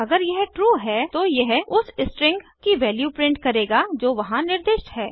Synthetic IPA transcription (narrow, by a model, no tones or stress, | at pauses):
ɐɡəɾjɛɦʈɾuːɦɛːt̪ojɛɦʊsɪsʈɾɪ̃ŋɡkiʋɛːljuːpɾɪ̃ɳʈ̚kɐɾeːɡad͡ʒoːʋɐɦãnɪɾd̪eːʃʈɦɛː